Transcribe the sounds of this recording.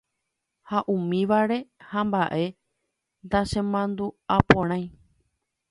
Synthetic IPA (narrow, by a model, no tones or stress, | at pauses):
haʔũmĩʋaɾe̞hãmbaʔe̞ | nd̪aʃẽmãnd̪uapõɾ̃ãj̃